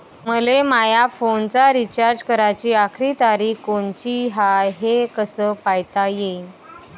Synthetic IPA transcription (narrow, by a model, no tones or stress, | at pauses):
məlemajafont͡saɾit͡ɕaɾd͡ʑkəɾat͡ɕiːakʰɾit̪aɾiːkoɳt͡ɕiɦaɦekəsəːpajt̪aje